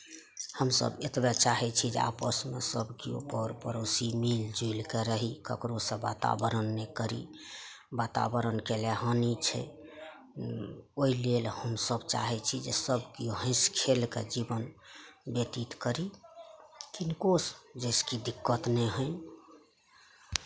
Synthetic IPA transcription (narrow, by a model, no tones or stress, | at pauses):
həmsə̰bet̪bɛt͡ʃaɦɛt͡ʃʰid͡ʒḛa̰pəsmḛsəbkḭo̰pəɾpəɾosimild͡ʒuilkeɾəɦikə̰kɾosə̃bat̪a̰bəɾənːekəɾḭ | bat̪a̰bəɾənkeleɦənit͡ʃʰɛ̰ | oilelhəmsəbt͡ʃa̰ɦɛt͡ʃʰid͡ʒesəbkioɦə̃ɪ̃skʰelkḛd͡ʒibənbet̪it̪kəɾi | kinkosd͡ʒəɪskid̪ikːət̪nɛɦə̃j